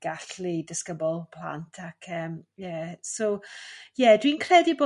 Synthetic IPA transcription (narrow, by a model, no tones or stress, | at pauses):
ɡ̥aɬlidəskəbɔlˠpʰl̥a̰ntʰakʰəːmjɛsowjɛdwinkʰrɛdiboː